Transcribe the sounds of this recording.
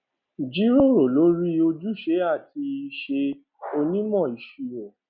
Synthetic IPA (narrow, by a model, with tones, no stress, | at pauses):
d͡ʒi˨˦ɾo˦˨ɾo˨lo˨˦ɾi˦o˧d͡ʒu˦ʃe˨˦a˦˨ti˧i˧ʃe˧ | o˧nĩ˦mɔ̃˦˨i˨ʃu˨ɾo˨